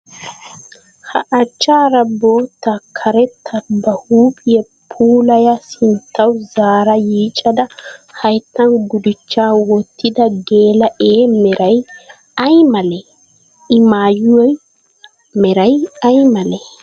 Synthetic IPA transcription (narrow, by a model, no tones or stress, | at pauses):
hɐ̰ʔɐt͡ʃːaːɾɐboːt̪ːɐkʰɐɾɛt̪ʰːɐbɐhuːpʼɪjɛ | pʰuːlɐjɐsɪnt̪ːɐwzaːɾɐjiːt͡ʃʼɐd̪ɐhɐjt̪ːɐnɡʊd̪ɪt͡ʃːaːwɔt̪ːɪd̪ɐɡe̞ːlɐʔeːmɛɾɐj | ɐjmɐlɛ | ɪmaːjʊwɛ | mɛɾɐjɐjmɐlɛ